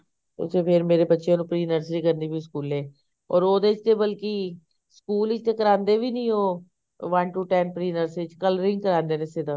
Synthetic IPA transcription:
t̪o̰seːpʰɪɾmeːɾeːbətːʃjãːnũːpɾiːnəɾsɾiːkəɾniːbiːskuːlɛː | ɔ̰ːɾoːd̪eːt͡ʃt̪eːbəlki | skuːlɪt͡ʃt̪eːkəɾãːnd̪eːʋiːnĩːoː | ʋãɳʈuːʈɛ̃ːnpɾiːnəɾsɪt͡ʃkələɾɪ̃ŋɡkəɾãːnd̪eːnesed̪aː

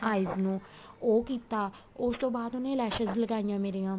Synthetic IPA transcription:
aːɪznũː | oːkiːt̪aː | ʊst̪õːbaːd̪ʊnẽːlɛːʃəzləɡaːijãːmeːɾeːãː

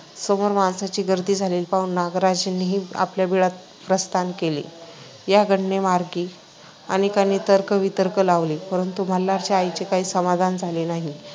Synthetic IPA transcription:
somoɾmansat͡ɕiːɡəɾd̪iːd͡zʱaleːlpauːnnaɡɾad͡ʑenːiɦiːa̰pljabiɭat̪̚ | pɾəst̪ʰankelḭː | jaɡʱəɽnemaɾɡiː | a̰ñikanːit̪əɾkəʋit̪əɾkəlaʋlipəɾənt̪um̤əlːaɾt͡ɕeajt͡ɕekaɦiːsəmad̪ʱand͡zʱalenaɦi

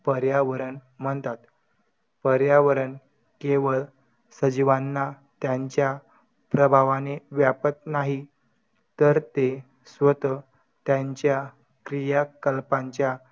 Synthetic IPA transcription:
pəɾjaʋəɾən | m̤əɳt̪at̪ | pəɾjaʋəɾən | keʋəl | səd͡ʑiʋanːa | t̪jaɲt͡ɕja | pɾəbʱaʋaneʋjapət̪naɦi | t̪əɾt̪e | sʋət̪ə | t̪jaɲt͡ɕja | kɾijakəlpaɲt͡ɕja

